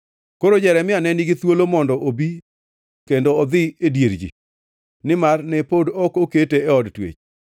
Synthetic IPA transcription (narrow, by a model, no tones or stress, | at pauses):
koɾod͡ʒɛɾɛmɪanɛniɡɪt̪wolomɔndɔʔobi | kendoɔd̪ɪedjeɾd͡ʒḭ | nɪmarnɛpodɔkoketeɛɔdtwḛt͡ʃ